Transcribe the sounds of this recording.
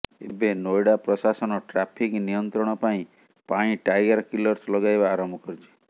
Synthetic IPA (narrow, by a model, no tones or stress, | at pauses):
ebenojɽapɾɔsasɔnɔʈɾapʰiknijɔnt̪ɾɔɽ̃ɔpaĩ | paɽ̃ĩʈajɡaɾkilɔɾslɔɡajbaːɾɔmbʱɔkɔɾit͡ʃʰe̥